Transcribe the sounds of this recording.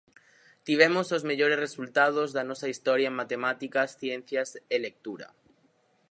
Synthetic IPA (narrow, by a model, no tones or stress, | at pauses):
t̪iβ̞emosozmeʎoɾesresult̪að̞ozðanɔsɐist̪ɔɾjaemat̪emat̪ikɐsθjen̟θjaselek̚t̪uɾɐ̰